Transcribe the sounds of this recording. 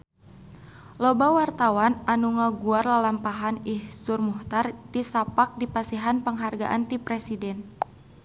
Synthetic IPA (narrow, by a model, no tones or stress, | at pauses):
lobawart̪awanʔanuŋaɡuarlalampaɦanihsʊrmuht̪artisapak̚dipasiɦanpəŋɦarɡaʔant̪ipɾɛsidɛn